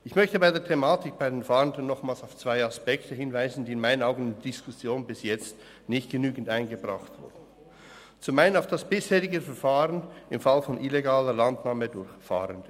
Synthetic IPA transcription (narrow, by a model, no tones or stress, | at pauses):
ʔɪçmœçtəbaɪdeːɐtʰemaːtɪkb̥aɪdeːnfaːʁəndən̩ːɔχmaːlsaʊft͡sv̥aɪaspɛktəɦɪnvaɪzn̩diːɪnmaɪnənaʊɡən̩ɪndd̥ɪskʰʊsjoːnbɪsjɛt͡st | nɪçtɡ̥ənyːɡn̩taɪnɡəbʁaχtv̥ʊ̰ɐdn̩ | t͡sʊmaɪnənaʊfd̥asb̥ɪsheːɾɪɡəfɛɾfaːʁənɪmfalfɔnʔileɡaːləlantnaːmədʊɾçfa̰ːʁənd̥ə